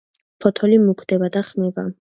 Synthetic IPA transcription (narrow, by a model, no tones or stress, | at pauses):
pʰɔt̪ʰɔlimukʰd̪̥ɛbad̪aχmɛba